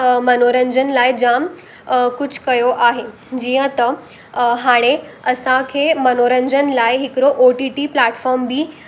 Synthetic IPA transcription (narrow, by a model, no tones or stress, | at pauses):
mənoɾəɲd͡ʑənlajd͡ʑãm | kut͡ɕʰkəjoʔaɦe | d͡ʑijə̃t̪ə | ɦaɽ̃e | əsãkʰemənoɾəɲd͡ʑənlajɦikɾoʔoʈiʈiplaʈfɔɾmbʱiː